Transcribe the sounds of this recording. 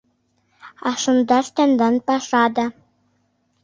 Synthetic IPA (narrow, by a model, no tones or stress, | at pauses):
ɑʂɤ̆nd̪ɑʃt̪ʲɑnd̪ɑnpɑʂɑd̪ɑ